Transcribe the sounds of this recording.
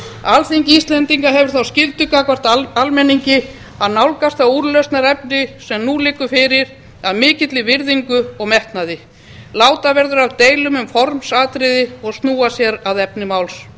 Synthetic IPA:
alθiɲcist̪lɛnt̪iŋkaɦɛvʏɾ̥θawscɪlt̪ʏkakvar̥t̪aalmɛniɲcɪ | aðnawlkast̪θauɾlœɥst̪naɾɛpnɪsɛmnulɪːkʏfɪːɾɪɾ̥ | aðmɪːcɪt̪lɪvɪɾðiŋkʏɔɣmɛht̪naðɪ | laːwt̪avɛɾðʏɾawt̪eːjlʏmʏmfɔɾmsaːt̪ɾɪðɪɔɣst̪nuːasjɛɾaðɛpnɪmawls

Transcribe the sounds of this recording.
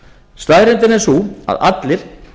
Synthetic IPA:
st̪aðɾɪnt̪ɪnɛsua̰ða̰t̪lɪɾ̥

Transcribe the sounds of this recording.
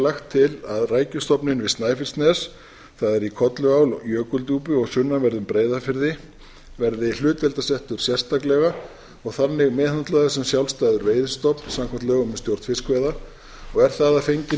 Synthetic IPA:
laxt̪ʰːɪlaðraːjcʏst̪ɔpnɪnvɪðst̪naːjfɪlst̪nɛs | θaðɛɾikʰɔt̪lʏawljœːkʏlt̪uːpʏɔɣsʏnːavɛɾðʏmpɾeːjðafɪɾðɪ | vɛɾðɪl̥ʏːt̪vɛlt̪asɛht̪ʏɾ̥sjɛr̥st̪aklɛɣa | ɔɣθanːɪɣmɛːðhant̪laðʏsɛmsjawlst̪aːjðʏɾveːjðʏst̪ɔpnsamkʰant̪lɛɣʏmɛst̪jowr̥t̪fɪskʰvɛːða | ɔɣɛɾ̥θaðafejɲcɪ

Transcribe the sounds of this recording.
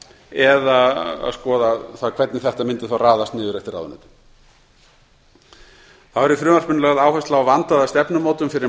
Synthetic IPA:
ɛðaa̰ðskɔːðaθaðkʰv̥ɛt̪nɪθɛht̪amɪnt̪ɪθawraːðast̪nɪːðʏɾɛft̪ɪɾa̰ðʏ̰nːɪ̰t̪ | θavɛɾifɾʏːmarspʏnʏlɛɣaðaːwhɛst̪lawvant̪aðast̪ɛpnʏmoːt̪ʏmfɪɾɪɾ

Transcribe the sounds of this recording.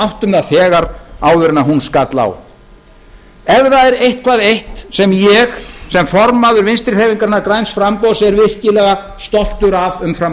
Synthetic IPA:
awht̪ʏmðaθɛːɣaɾaːwvʏɾɪnaɦunskat̪la̰w | ɛvðaɛɾejht̪kʰvaːðejht̪sɛmjɛxsɛmfɔɾmaðʏɾvɪnst̪ɾɪθeːviŋkaɾnaɾkɾajnsfɾampɔðsɛɾvɪr̥cɪlɛɣa | st̪ɔl̥t̪ʏɾavʏmfɾam

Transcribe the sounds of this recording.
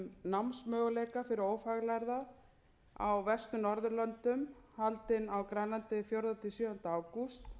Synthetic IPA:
namnsmœːɣʏleːjkafɪɾɪɾoːwfaɣlajɾða | a̰wvɛst̪ʏnɔɾðʏlœnt̪ʏmhalt̪ɪnawkɾajnlant̪ɪfjowɾðat̪ʰɪsjœːðɔn̥t̪aːwkust̪

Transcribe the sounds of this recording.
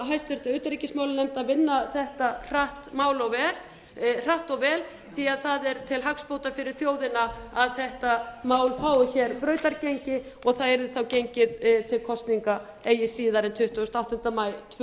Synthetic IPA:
ɦajst̪ɛɾt̪aʏːt̪aɾicɪsmawlɪnɛmt̪aðvɪnːaθɛht̪ar̥aht̪maːwlɔɣvɛːɾ | r̥aht̪ɔɣvɛːl | θiaðθaðɛɾt̪ʰɪlɦakspowt̪afɪɾɪɾ̥θjoːwðɪnaaðθɛht̪amaːwlfaːwʏçɛɾpɾœːɥt̪aɾcejɲcɪ | ɔɣθaðɛɾðɪθawcejɲcɪðt̪ʰɪlkʰɔst̪niŋka | eːjɪsiːðaɾɛnt̪ʰʏht̪ːʏst̪awht̪ʏnt̪amaːjt̪ʰ

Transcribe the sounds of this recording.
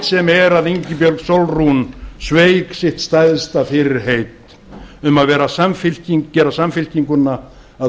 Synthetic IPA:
t̪sɛmɛɾaðiɲcɪpjœlksolrunsveːjksɪht̪st̪ajðst̪afɪɾɪɾ̥ɦejt̪ | ʏmaðvɛːɾasamfɪl̥ciŋkcɛːɾasamfɪl̥ciŋkʏnːa | a

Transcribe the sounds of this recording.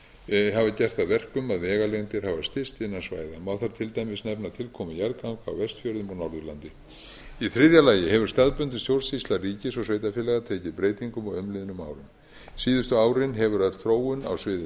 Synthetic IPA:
ɦavacɛr̥t̪aðvɛr̥kʏmaðvɛːɣaleɣnt̪ɪɾ̥havast̪ɪst̪ɪnːansva̰ːjðamawθaɾt̪ʰɪlt̪aːjmɪsnɛpnat̪ʰɪlkʰɔːmɪjaɾðkawŋka̰wvɛst̪fjœɾðʏmɔnɔɾðʏlant̪ɪ | iθɾɪðjalaːjɪhɛvʏ̥st̪aðpʏnt̪ʏ̥sjowlsist̪lariːcɪsɔsveːjt̪afjɛːlɛɣat̪ʰeːcɪðpɾeːjt̪iŋkʏmɔɣʏmlɪðnʏma̰ːwɾʏm | siːðʏst̪ʏaːwɾɪnɦɛvʏɾœt̪l̥θɾoːwʏna̰wsvɪːðɪ

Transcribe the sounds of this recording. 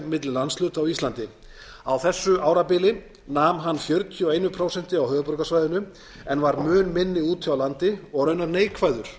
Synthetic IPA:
mɪt̪lɪlːanslʏːt̪awist̪lant̪ɪ | awθɛsːʏʔaːwɾapɪːlɪ | naːmɦanːfjœɾt̪ʰjɔeːjnʏpʰɾowsɛn̥t̪ɪawɦœːɣðʏpɔɾkasvaːjðʏnʏ | ɛnvaɾmœːnmɪnːɪuːt̪ʰawlant̪ɪɔɣɾœɥnaɾneːjkʰvajðʏɾ̥

